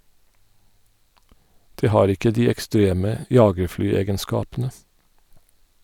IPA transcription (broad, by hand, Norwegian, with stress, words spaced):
ˈdeː ˈhɑːɾ ˈɪkə ˈdiː ɛkˈstɾeːmə ˈjɑːɡəɹˌflyːˌeːɡənˌskɑːpn̩ə